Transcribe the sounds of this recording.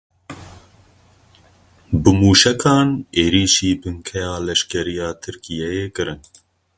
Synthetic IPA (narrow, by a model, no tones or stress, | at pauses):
bɨmuːʃɛkʰɑːneːɾiːʃiːbɨŋkʰɛjɑːlɛʃkɛɾijɑːt̪ʰɨɾkʰijɛjeːkɨɾɨn